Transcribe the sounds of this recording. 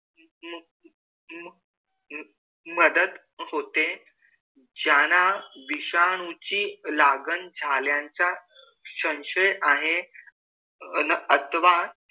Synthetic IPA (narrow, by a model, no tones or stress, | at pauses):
məd̪əd̪ | hot̪e | d͡ʑjanaʋiɕaɽ̃ut͡ɕiːlaɡənd͡zʱaljãɲt͡sa | ɕə̃w̃ɕəjʔaɦe | nət̪ʋa